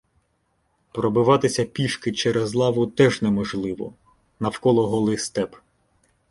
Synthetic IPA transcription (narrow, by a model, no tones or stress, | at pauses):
pɾɔbɪʋɑt̪ɪsʲɐpʲiʃkɪt͡ʃɛɾezlˠɑʋʊt̪ɛʒnɛmɔʒlˠɪʋɔ̰ | nɐwkɔlˠɔɦɔlˠɪjst̪ɛp